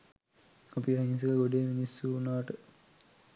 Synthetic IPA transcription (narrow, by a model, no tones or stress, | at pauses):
apiɦanis̬əkəɡoɖeːminisːuːnaʋɐʈə